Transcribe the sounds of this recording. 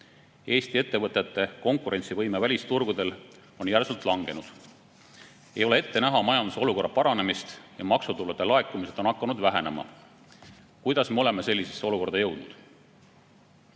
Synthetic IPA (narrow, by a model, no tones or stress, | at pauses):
e̞ːst̪ie̞t̪ːe̞vɤt̪ˑet̪ːˑe̞ko̞ŋkuɾe̞nʲtsivɤjmevælʲist̪urɡ̥ud̪e̞l | o̞njærsult̪ˑlɑŋɡ̥e̞nud̪̥ | e̞̰jo̞leet̪ːe̞næɦɑmɑjɑnd̪useo̞luko̞rːɑpɑɾɑne̞mist̪jɑmɑksut̪ulːet̪ːelɑe̞kːˑumise̞d̪o̞nɑkːɑnud̪væɦe̞nemɑ̰ | kujd̪̥ɑsme̞o̞le̞me̞se̞lʲːisesːeo̞luko̞rd̪ɑjɤwd̪̥nud̪̥